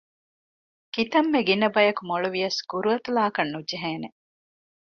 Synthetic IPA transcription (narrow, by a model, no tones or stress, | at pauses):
kit̪ɐmːeɡinɐbɐjɐkumoɭuʋijɐsɡ̥uɾuɐt̪ulaːkɐnːud͡ʒeɦeːne